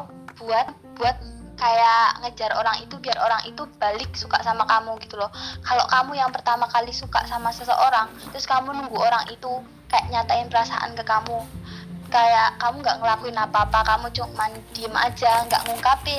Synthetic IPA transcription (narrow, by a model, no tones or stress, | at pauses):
b̥uat̪̚b̥uat̪̚kajaʔŋəd͡ʒaɾoɾaŋit̪ubiaɾoɾaŋit̪ub̥alɪk̚suka̰ʔsamakamuɡit̪ulɔhkalo̰ʔkamujaŋpərt̪amakalisuka̰ʔsamasəsə̰ʔoɾaŋt̪ɾʊskamunuŋɡuʔoɾaŋit̪u | kajaʔɲat̪aɪnpəɾasa̰ʔa̰nkəkamu | kajaʔkamuŋɡaʔŋəlakuinapapakamut͡ʃʊŋmand̥ima̰d͡ʒaŋɡa̰ʔŋuŋkapɪ